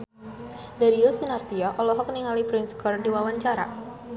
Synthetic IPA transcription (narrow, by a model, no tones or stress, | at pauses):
daɾiosinart̪iaʔɔlɔɦɔk̚niŋalipɾɛnskɔrdiwawaɲt͡ʃaɾa̰